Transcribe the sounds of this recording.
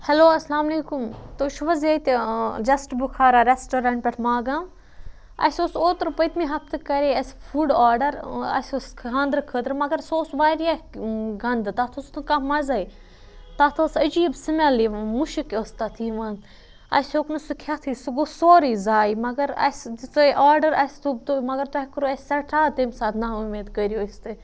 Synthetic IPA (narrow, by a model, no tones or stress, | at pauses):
hɐloːɐslaːmleːkumt̪oːʃuʋɐzɐt̪d͡ʒɐsʈbukʰaːɾaɾesʈoːɾãɳʈ̚pʲɐʈʰmaːɡaːm | ɐ̰sʲosoːt̪ɾpɐt̪miɦɐft̪ɨkɐɾeːɐsfuːɖaːɾɖɐɾɐ̰sʲoːskʰãːnd̪ɾkʰəːt̪ɾmɐɡɐɾsoːsʋaːɾijaɡɐnd̪ɨt̪aːt̪ʰoːst̪ʰukamɐzɐj | t̪aːt̪ʰoːsɐd͡ʒiːbsɐmʲaliʋãːnmuʃikoːst̪at̪ʰiːʋãn | ɐ̰sʲoːknusukʰʲaːt̪ʰisuɡosoːɾiːzaːimɐɡɐɾɐ̰ssoʔaːɾɖɐɾɐsʲt̪ʰubt̪omɐɡɐɾt̪oɐkɾoɐsʲsɐʈʰaːt̪emsaːt̪naːumeːd̪kəɾjoːist̪ɨ